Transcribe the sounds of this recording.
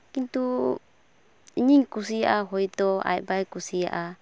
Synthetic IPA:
kint̪u | iɲiŋkus̬ijaʔaɦɔjt̪ɔa̰jbajkusija̰ʔa

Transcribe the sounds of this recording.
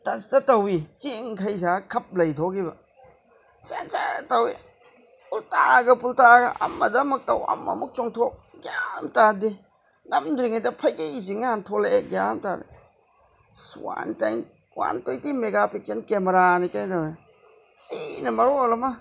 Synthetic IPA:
tɐstɐtɐwit͡ʃiŋkʰɐjzakʰɐp̚lɐjtʰɔkibɐ | sant͡ʃatɐwi | pultaɡɐpultaɡɐ̰ʔɐ̰mːɐ̰dɐmɐk̚tɐwɐ̰mɐ̰muk̚t͡ʃɔŋtʰɔk̚ɡjamtadi | nɐmdɾiŋɐjdɐpʰɐjkiiz̬iŋaantʰɔleɡjamtadi | swa̰ntajn | wa̰ntojtimeɡapʰek̚sɐnkemeɾanikajntawe | sinɐmɐɾolɐmɐ

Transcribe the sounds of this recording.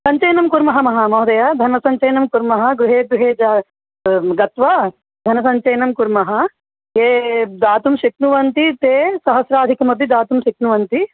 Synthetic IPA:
sɐɲt͡ʃɐjnɐmkuɾmɐɦɐmɐɦɐmɐːd̪ɐjad̪ʱɐnmɐsɐɲt͡ʃɐjnɐmkuɾmɐɦɐ̆ɡɾuɦeːd̪ɾuɦeːd͡ʒaː | ɡɐt̪ʋaː | d̪ʱɐnɐsɐɲt͡ʃɐjnɐmkuɾmɐɦɐ | jeːd̪aːt̪umʃik̚nuʋɐnt̪it̪eːsɐɦɐsɾaːd̪ʱikɐmɐb̪id̪aːt̪umʃiknuʋɐnt̪i

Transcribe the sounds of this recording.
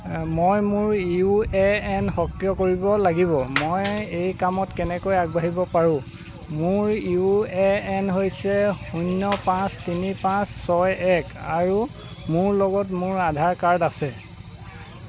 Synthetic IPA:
mojmʊɹiuɛɛnxɔkjɔkoɹibɔlaɡibɔmojejkamɔtkɛnɛkojaɡ̚baɦibɔpaɹʊ̃ | mʊɹiuɛɛnɦojsɛunːɔpãstinipãsːɔjɛkaɹu | mʊɹlɔɡɔtmʊɹadʱaɹkaɹdasɛ

